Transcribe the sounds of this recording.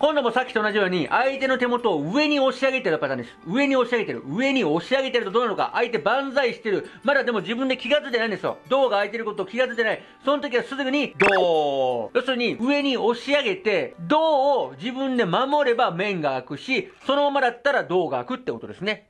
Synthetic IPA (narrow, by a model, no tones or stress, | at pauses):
kõ̞nd̪o̞mo̞sakʲi̥t̪oonaʑijo̞ːɲ̟iʔait̪e̞no̞t̪e̞mo̞t̪o̞ːɯe̞ɲ̟io̞ɕiaɡet̪e̞ɾɯpat̪and̪esɨjoɯ̟e̞ɲ̟io̞ɕiaɡe̞t̪eɾɯ̟̰ɯe̞ɲ̟io̞ɕiaɡe̞t̪eɾɯt̪od̪oːnanoka̰ʔait̪e̞bãnzaiɕi̥t̪e̞ɾɯ̟mad̪ad̪e̞mo̞d͡ʑibɯ̃nd̪e̞kʲiɡat͡sɨid̪eaĩnd̪esɨjo̞̰d̪o̞ːɡaːit̪e̞ɾɯ̟ko̞t̪o̞ːkʲiɡat͡sɨid̪enai | so̞not̪o̞k̬ʲiβasɨzɨɡɯɲ̟id̪oː | jo̞sɨɾɯɲ̟iɯe̞ɲ̟io̞ɕiaɡe̞t̪e̞d̪o̞ːd͡ʑibɯ̟̃nd̪e̞mamo̞ɾe̞bamẽ̞ŋɡaːkɯ̟ɕiso̞nomamad̪at̪ːaɾad̪o̞ːɡaːkɯ̟t̪ːeko̞t̪o̞d̪e̞sɨne̞